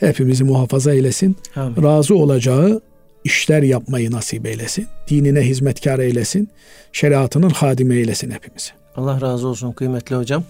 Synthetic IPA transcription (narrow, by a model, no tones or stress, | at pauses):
hæpʰimizimuɦɑːfɑzɑelæsinɾɑːzɯo̞lˠɑd͡ʒɑɣɯ | iʃlæɾjɑpʰmɑjɯnɑsibelæsind̪̥iːninæɦizmæt̪cʰɑɾɑelæsin | ʃæɾiɑt̪ʰɯnɯnxɑːd̪imæelæsinhæpʰimiz̥i̥ | ɑlˠːɑhɾɑːzɯo̞lˠsunɡɯjmɛt̪ʰliod͡ʒɑm